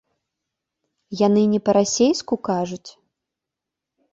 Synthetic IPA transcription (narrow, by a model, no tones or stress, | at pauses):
janɨnʲɛpɐɾasʲejskukaʐut͡sʲ